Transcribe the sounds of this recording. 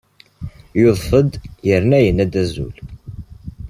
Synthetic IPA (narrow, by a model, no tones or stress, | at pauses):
joðˤfəd̪jəɾnæjənæd̪æzṵl